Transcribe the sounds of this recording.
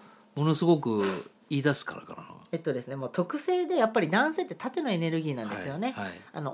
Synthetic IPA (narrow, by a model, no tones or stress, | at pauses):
mo̞no̞sɨɡo̞kɯ̟ | iːd̪asɨ̥kaɾa̰ka̰ɾano̰et̪ːo̞d̪e̞sɨne̞moːt̪ʰo̞kɯ̟se̞ːd̪e̞japːaɾʲid̪ãɰ̃se̞ːt̪ːe̞t̪at̪e̞no̞e̞ne̞ɾɯ̟ɡʲiːnãnd̪esɨjo̞ne̞aia̰no̞